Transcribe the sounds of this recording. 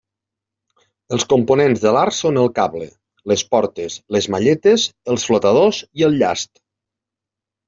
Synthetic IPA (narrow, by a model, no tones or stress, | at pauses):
əlˠskomponenzðəlaɾsonəlˠkaβlə | ləspɔɾt̪əsləzmaʎɛt̪əzəlˠsflot̪əð̞oziəlˠʎa̰st̪̚